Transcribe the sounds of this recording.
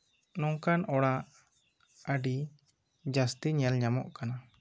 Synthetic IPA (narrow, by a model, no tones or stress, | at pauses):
nɔŋkanɔɽaʔ | əɖi | d͡ʒast̪iɲɛlɲamɔ̰ʔkana